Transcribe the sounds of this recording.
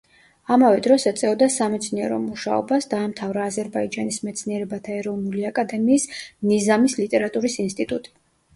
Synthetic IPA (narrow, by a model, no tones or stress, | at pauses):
amavɛd̪ɾɔsɛat̪sʼɛɔd̪asamɛt̪sʰniɛɾɔ̰muʃa̰ɔ̰basd̪aːmt̪ʰavɾaːzɛɾbaid͡ʒanismɛt̪sʰniɛɾɛbat̪ʰaɛɾɔvnuliakʼad̪ɛmiːsnizamislit̪ʼɛɾat̪ʼuɾisinst̪ʼit̪ʼut̪ʼi̥